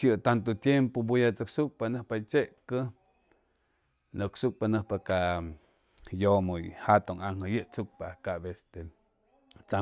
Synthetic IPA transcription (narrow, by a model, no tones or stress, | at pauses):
ʃjɨt̪ant̪ot̪jempobujat͡sɨksuk̚panɨhpat͡ʃeʔkə | nɨksuk̚panɨhpaka | jomojhat̪oŋaŋhəjɨʔt͡suk̚pakaʔbest̪e | t͡sa